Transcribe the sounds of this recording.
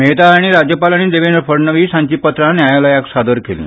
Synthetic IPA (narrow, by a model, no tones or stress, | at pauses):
meɦt̪aaɽ̃iɾad͡ʑjəpalaɽ̃id̪eʋenɾfəɾnəʋiːsãɲt͡ɕiːpət̪ɾanjajaləjaksad̪əɾkelḭ̃